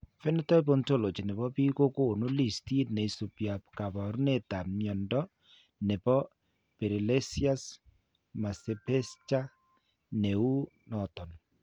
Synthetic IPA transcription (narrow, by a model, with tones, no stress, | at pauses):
fe˦ne˦tɔ˦i˦bo˦nto˦lo˨t͡ʃi˨ne˨βɔ˦bi˦ko˦ko˦˨no˦li˦˨sti˦ne˨i˨so˨pja˨pka˨βa˨ɾu˦ne˦˨ta˨mjɔ˨ndɔ˦ | ne˨bɔ˦ | pe˨ɾi˨le˦sia˦s | ma˨se˨pe˦st͡ʃa˦ | ne˨u˦ | nɔ˨tɔ˨n